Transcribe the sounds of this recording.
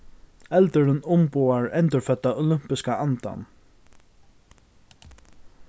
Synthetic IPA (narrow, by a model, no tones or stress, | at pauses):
ɛlt̪əɾənʊmpʊːaɹɛnt̪əɹfœt̪ːaʔɔlʏm̥pɪskaʔant̪a̰n